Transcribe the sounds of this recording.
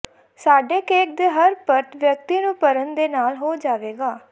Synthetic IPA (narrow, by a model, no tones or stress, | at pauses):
saːɖeːkeːk̚d̪eːɦəɾpəɾt̪ʋjək̚t̪iːnũːpəɾənd̪eːnaːlɦoːd͡ʒaːʋeːɡaː